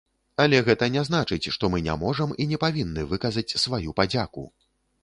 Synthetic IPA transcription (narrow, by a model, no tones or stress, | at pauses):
ɐlʲɛɣɛt̪ɐnʲɛznat͡ʂɨt͡sʲʂt̪ɔmɨnʲa̰mɔʐɐminʲɛpavʲinːɨvɨkɐzɐt͡sʲsvajupad͡zʲakṵ